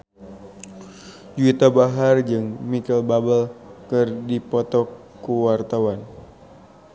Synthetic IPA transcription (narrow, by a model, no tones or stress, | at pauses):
d͡ʒuit̪abaɦard͡ʒɨŋmikɛlbabəlkɨrdipɔt̪ɔkː | uwart̪awan